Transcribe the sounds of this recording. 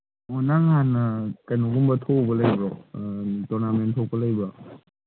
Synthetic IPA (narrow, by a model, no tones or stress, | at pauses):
ɔnaŋanakajnɔɡumbɐtʰobɐlɐjba | tɔɾnamentʰɔpɐlɐjba